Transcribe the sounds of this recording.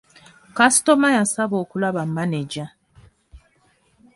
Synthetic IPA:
kasi̥tomajasaβoːkulaβammaneɟa

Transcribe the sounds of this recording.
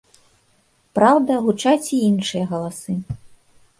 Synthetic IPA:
pɾawd̪ɐɣut͡ʂat͡sʲiinʂɨjɐɣɐlˠasɨ

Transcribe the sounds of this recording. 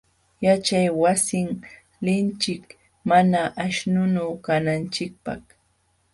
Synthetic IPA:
jat͡ʃajwasɪŋ | lɪnt͡ʃɪk | manaʔaʃnʊnawkanant͡ʃɪk̚pɑ̰χ

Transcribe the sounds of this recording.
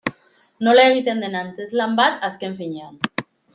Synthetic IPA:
noleɣit̪end̪enansezlambat̪askeɱfiɲe

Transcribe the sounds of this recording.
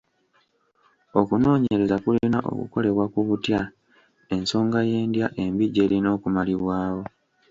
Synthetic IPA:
o̞kuno̞ːɲe̞ɾe̞zakulinaʔo̞̰kṵko̞le̞βwakuβutja | e̞nso̞ːŋɡaje̞ːndjaʔe̞mbiɟe̞ːlino̞ːkumaliβwaːwo̞

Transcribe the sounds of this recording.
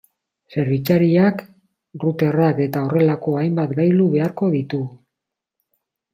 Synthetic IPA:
se̞ɾβit͡saɾiak | rut̪e̞rake̞t̪ao̞re̞lako̞ajmbat̪ɡajluβe̞aɾko̞ðit̪u

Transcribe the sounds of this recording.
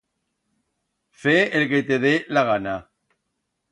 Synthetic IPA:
feelket̪eðelaɣana

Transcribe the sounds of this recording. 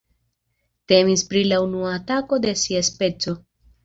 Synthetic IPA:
te̞mispɾilaunuaːtako̞de̞siaspe̞t͡so̞

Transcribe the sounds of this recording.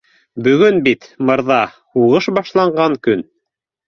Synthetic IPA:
bɵ̆ɡɵnbit̪mɤ̆ɾðɑ | huʁɤʃbɑʃlˠɑɴɢɑŋkɵn

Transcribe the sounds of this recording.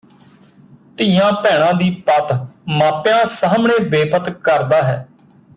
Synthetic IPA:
t̪ijãːpɛːɽ̃ãːd̪iːpət̪maːpjãːsaːmɳeːbeːpət̪kəɾd̪aːɦɛː

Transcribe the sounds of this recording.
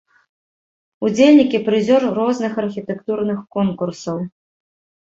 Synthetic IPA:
ud͡zʲelʲnʲikʲipɾɨzʲɔrrɔznɨxɐrxʲit̪ɛkt̪urnɨxkɔnkursɐw

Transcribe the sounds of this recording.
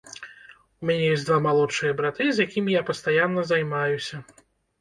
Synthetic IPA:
umʲanʲɛjɔsʲd̪vamalˠɔt͡ʂːɨjɐbɾat̪ɨzʲjakʲimʲijapɐst̪ajanːɐzajmajusʲɐ

